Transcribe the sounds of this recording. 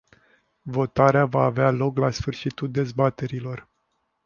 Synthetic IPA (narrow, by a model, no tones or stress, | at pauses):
vo̞t̪aɾeavaːvealo̞klasfɨrʃit̪uld̪e̞zbat̪e̞ɾilo̞r